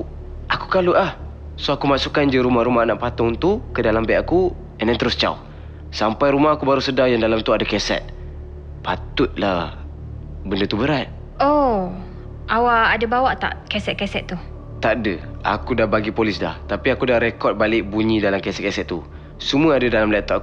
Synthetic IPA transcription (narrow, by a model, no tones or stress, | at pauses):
ʔakukaluʔah | soakumasukand͡ʒəɾumahɾumahnaʔpat̪ʊŋt̪ukədalambɛʔaku | ɛndɛnt̪əɾʊst͡ʃa̰w | sampajɾumahakubaɾusədajandalamt̪uadakɛsɛ̰t̪̚ | pat̪ʊt̪̚la | bəndət̪ubəɾat̪̚ | o | ʔawaːdəbawaʔt̪a̰ʔkɛsɛt̪̚kɛsɛt̪t̪u | t̪aʔdəa̰kudahbaɡipolɪsda̰ht̪apiakudahɾekɔt̪̚balɪʔbuɲĩdalamkɛsɛt̪̚kɛsɛt̪̚ːu | səmuəadədalamlat̪ɔ